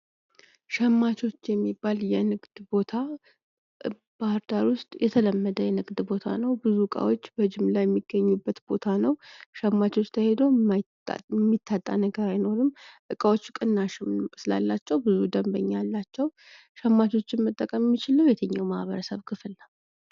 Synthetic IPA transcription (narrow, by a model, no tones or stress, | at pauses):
ʃɛmːat͡ʃʰo̞t͡ʃːjɛmːibːaljɛnɨɡd̪̥bo̞t̪ʰa | b̥ahɨɾd̪aɾwʊst̪ʼjɛt̪ʰələmːəd̪əjɛnɨɡd̪bo̞t̪ʰa̰nəwbɨzuɨkʼa̰wot͡ʃːbəɨd͡ʒɪmlajɛmːiɡːəɲːubːət̪b̥o̞t̪ʰanəwʃɛmːat͡ʃo̞t͡ʃːt̪ʰəhe̞d̪o̰ | ɛmːit̪ːat̪ʼːa̰nəɡəɾajno̞ɾɨmʔɨkʼawot͡ʃːkʼɨnːaʃɪmsɨla̰lːat͡ʃːɛwbɨzud̪əmbəɲːalːat͡ʃːɛw | ʃɛmːat͡ʃo̞t͡ʃːɪnmət̪ʼːəkʼəmjɛmːit͡ʃɪləwjɛt̪ʰəɲːa̰wma̰hβəɾəsəβkʰɨfɨlːa